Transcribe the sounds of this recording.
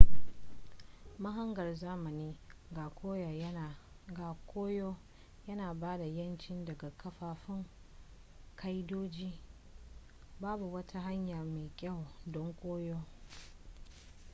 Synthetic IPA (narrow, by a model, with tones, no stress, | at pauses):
mɐ˦ɦɐ˦ŋɡɐ˨rzaː˦mɐ˨niː˦ɡa˨kʷoː˦ja˨˦˨ | ɡa˨kʷoː˦joː˦ | jɐ˦naː˨baː˦da˨jɐ˦nt͡ʃɪ˦ndɐ˨ɡa˨kʰɐ˦ɸaː˨ɸɪ˦ŋ | kʰa˦jdoː˦d͡ʒiː˦ | baː˦bu˨wɐ˦tʰa˦ɦa˦ɲjaː˨meː˨kʲʼa˦˨wdɔ˦ŋkʷʼoː˦joː˦